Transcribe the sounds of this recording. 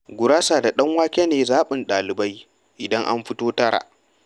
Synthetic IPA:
ɡʷʊ˨ɾaː˦saː˨da˨ɗɐ˦ŋwaː˦kʲeː˦neː˨zaː˦ɓɪ˨nɗaː˨lɪ˨ba˦j | ʔɪ˨dɐ˦ŋʔa̰˦mɸɪ˦toː˦tɐ˦ɾa̰ː˨ʔ

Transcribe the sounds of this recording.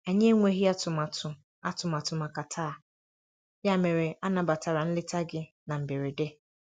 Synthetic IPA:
a˨ɲe˦ŋʷe˦ɣi˦a˦tʊ˨ma˨tʊ˨ | a˦tʊ˨ma˨tʊ˨ma˨ka˨tʰaː˦˨ | ja˦˨me˨ɾe˨a˦na˨ba˨ta˨ɾa˨n̩˦lɪ˦ta˦ɡɪ˦ | na˨m̩˨be˨ɾi˨de˦

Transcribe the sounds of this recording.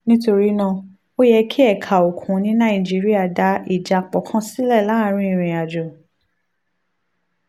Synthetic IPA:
nĩ˦to˧ɾi˨˦nã˦˧˨ | o˦jɛ˧kʰi˦ɛ˦˨kʰa˨o˨kʰũ˨˦nĩ˨˦nã˦˨i˨d͡ʒi˦ɾi˦a˦˨da˨˦i˦˨d͡ʒa˨˧k͡pɔ˨˦kʰã˦si˦lɛ˦˨la˨˦˧ɾ̃ĩ˧˦i˦˧˨ɾ̃ĩ˧˨a˨d͡ʒɔ˨

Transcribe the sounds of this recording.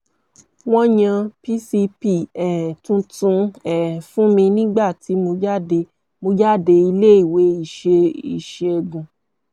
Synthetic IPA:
w̃ɔ̃˦jã˧pi˦si˧pi˦ɛ˨tũ˧tũ˧ɛ˨fũ˦mĩ˧nĩ˦ɡ͡ba˦˨ti˨˦mo˧d͡ʒa˦de˧ | mo˧d͡ʒa˦˨de˧i˧le˦i˨we˨˦i˦˨ʃe˧i˨ʃe˧ɡũ˨

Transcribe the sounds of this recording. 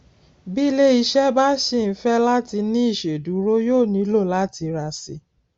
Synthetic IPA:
bi˦le˦i˧ʃɛ˦ba˦ʃi˦˨n̩˨˦fɛ˦la˦ti˧nĩ˦i˦˨ʃe˨du˨˦ɾo˦joː˦˨nĩ˧˦lo˦˨la˦ti˧ɾa˧sḭ˧

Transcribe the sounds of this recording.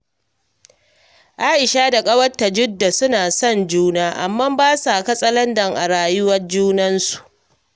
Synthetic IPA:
ʔaː˦ʔɪ˨ʃaː˦da˨kʼɐ˦wɐ˦tːa˨d͡ʒʊ˦dːa˨sʊ˦naː˨sɔ˦˨nd͡ʒuː˦naː˦ʔa˨mːɐ˦mbaː˦sa˨kɐ˦sʼɐ˦lɐ˦ndɐ˨ŋʔa˨ɽaː˨jʊ˦wɐ˦rd͡ʒuː˦nɐ˦nsu̥˨ʔ

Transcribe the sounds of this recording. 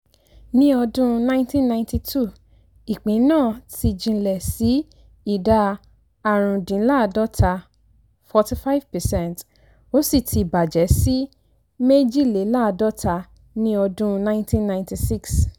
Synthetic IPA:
nĩ˦ɔ˧dũ˦nã˦ĩ˦tĩ˦nnːã˧ĩnti˧tʰu˦˨ | i˨k͡pĩ˨˦nãː˦˨ti˧d͡ʒĩ˧˨lɛ˨si˨˦ | i˦˨da˧ | a˨ɾ̃ũ˨dĩ˨˦la˦˧dɔ˦tʰa˧ | fɔ˧ti˦fa˦vpɛ˨sɛ̃˦˨nt | o˦si˦˨tʰi˧i˨ba˨d͡ʒɛ˨˦si˦ | me˦d͡ʒi˦˨le˨˦la˦˧dɔ˦ta˧ | nĩ˦ɔ˧dũ˦nã˦ĩ˦ntĩ˦nːã˧ĩnti˧si˦˨ks

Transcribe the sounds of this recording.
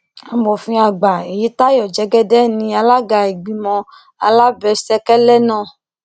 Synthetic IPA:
a˨mɔ˨fĩ˧a˨ɡ͡ba˨e˨ji˦t̪a˦jɔ˨d͡ʒɛ˨˦ɡɛ˦dɛ˦nĩ˧a˧la˦ɡa˧e˨ɡ͡bi˨mɔ̃˧ | a˧la˦bɛ˧sɛ˧kɛ˦lɛ˦nã˦˨

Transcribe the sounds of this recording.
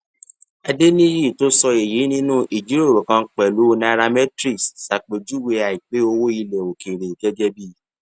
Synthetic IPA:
a˧de˦nĩ˦ɾi˦˨to˦sɔ˧e˨ji˨˦nĩ˦nũ˦ʔi˨d͡ʒi˨˦ɾo˦˨ɾo˨kã˧˦k͡pɛ˨lu˨˦na˧ɾa˧mɛ˦tɾi˦ssa˨k͡pe˨d͡ʒu˦we˧a˨i˨k͡pe˨˦o˧wo˦i˧lɛ˨o˨ke˨ɾe˨ɡɛ˦d͡ʒɛ˦bi˦˨

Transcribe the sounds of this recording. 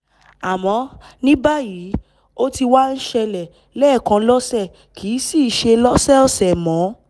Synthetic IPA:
a˨mɔ̃˧nĩ˦ba˦ji˨˦ | o˦ti˧wa˦n̩˦ʃɛ˧lɛ˨ | lɛ˦˨kã˧lɔ˦sɛ˦˨ | kʰi˨˦si˦˨ʃe˧lɔ˦sɛ˦ɔ˦˨sɛ˨mɔ̃˨˦

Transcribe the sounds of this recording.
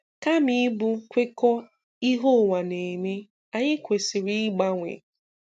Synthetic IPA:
ka˦mi˦bʊ˦kʷe˦kɔ˦ | i˦ɦo˦˨ŋa˨ne˨me˦ | a˨ɲɪ˦kʷe˨sɪ˨ɾi˦ɡ͡ba˦ŋʷḛ˨

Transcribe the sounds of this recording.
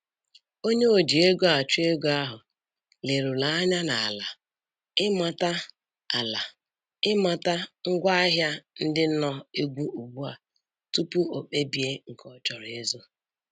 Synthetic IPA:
o˦ɲe˦o˨d͡ʒi˨e˦ɡo˦a˨t͡ʃu˦e˦ɡo˦a˦ɦʊ˨ | le˨ɾu˨la˨˦a˦ɲa˦na˨a˨la˨ | ɪ˦ma˨ta˦ | a˨la˨ | ɪ˦ma˨ta˦ŋ̩˦ɡʷa˦a˦ɦja˦n̩˦dɪ˦nɔ˦e˦ɡʷu˦u˨ɡ͡bu˦a˨ | tu˦pu˦o˨k͡pe˦bi˨e˦ŋ̩˨kʰɔ˦t͡ʃɔ˨ɾe˦zo˦

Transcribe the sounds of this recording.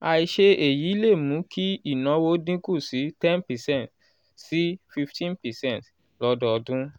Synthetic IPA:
a˧i˧ʃe˧e˨ji˨˦i˦le˦˨mũ˨˦kʰi˦i˦˨nɔ̃˨˦wo˦dĩ˦ku˦˨si˨˦tɛ̃˦npɛ˨sɛ̃˦˨t̚ | si˦fi˧ftʰĩ˦npɛ˨sɛ̃˦˨nt | lɔ˦dɔ˦ɔ˧dũ˦

